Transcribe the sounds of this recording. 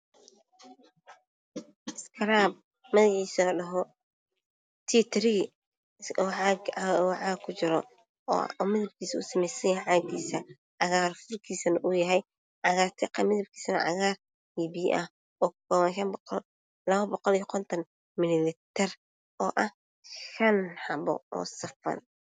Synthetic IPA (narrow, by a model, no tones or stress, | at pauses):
ɪskʰɐɾab̚ | mɐðɪʕiːsɐɖɐɦɔ | t̪ʰit̪ʰɾi | ʕɡʕaːɡkʰʊt͡ʃɪɾɔ̰ | ɔmɪðɐb̚kʰiːsɐʊsɐmɛjsɐjɐɦɛʕaːɡiːsɐ | ʕɑɣaːrfʊrkʰiːsɐnɐʔʊjɐɦɛj | ʕɑɣaːrt̪ʰɪqɐmɪðɐb̚kʰiːsɐnɐ̰ʕɑ̰ɣaːr | ibiːʔɐh | ɔːkʰɔβɐnʃɐnb | lɐβɐbɔqɔlijɐkʰɔnt̪ʰɐn | mɪlɪlɪt̪ʰɛr | ʔɔːʔɐh | ʃɐnhɑbɔ̰ɔ̰ːsɐfɐ̰n